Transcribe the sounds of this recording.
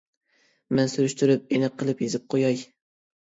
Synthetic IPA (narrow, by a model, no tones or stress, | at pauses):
mɛnsyɾyʃt̪yɾɪp̚enɨqʰːəlˠɨpjezɪp̚qʰojɑj